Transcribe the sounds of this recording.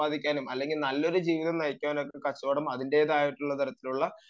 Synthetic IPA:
aːd̪ʱikʲːaːnumɐlːe̞ŋɡilnɐlːo̞ɾud͡ʑiːʋiðɐmnɐjkʲːaːno̞kːekɐt͡ɕːɐɐɽɐmɐðinde̞ːðaːjiʈːuɭːɐt̪ɐɾɐt̪ːiluɭːɐ

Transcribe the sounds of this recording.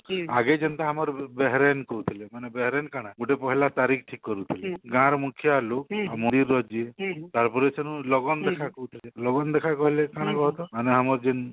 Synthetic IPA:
aɡed͡ʒɔnt̪aɦamɔɾbeɦɾenkɔut̪ʰilemanebeɦɾenkaɽ̃aɡuʈepɔɦilat̪aɾikʰʈʰikːɔɾut̪ʰileɡãɾɔmukʰjalokamud̪iɾːɔd͡ʒiet̪aɾpɔɾesʰenũlɔɡɔnd̪ekʰakɔut̪ʰilelɔɡɔnd̪ekʰakɔɦilekaɽ̃akɔɦɔt̪ɔaneɦamɔɾd͡ʒin

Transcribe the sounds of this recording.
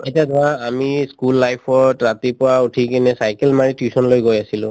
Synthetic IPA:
etiadɔaːmiskulːajpʰɔɹtɹatipʊɹautʰikɛnɛsajkɛlmaɹitjusɔnlojɡojasilʊ̰̃

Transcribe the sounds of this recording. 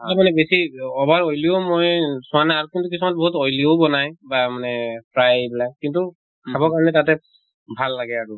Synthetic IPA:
amanɛbesiɔbaɹojlijomojsʊ̃anaaɹukintukisɔmat̚bɔɦutojliobɔnajbamanɛpʰɹajbilakintu | kʰabɔkaɹɔnɛtatɛ | bʱalːaɡɛaɹu

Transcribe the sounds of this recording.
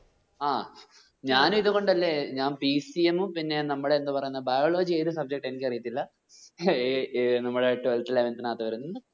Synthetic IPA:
aː | ɲaːnumiðuɣo̞ɳɖɐlːeːɲaːnpisiemumpinːe̞nɐmːuɽeːnd̪upɐrɐjunːɐðbɐjoːɭo̞ːd͡ʑieːðɨsɐb̚d͡ʑe̞k̚ʈe̞nikʲːɐrijit̪ːilːɐ | nɐmːuɽeaːjʈːuɐltileːʋent̪inaːt̪ːɐʋɐɾunːunɨ

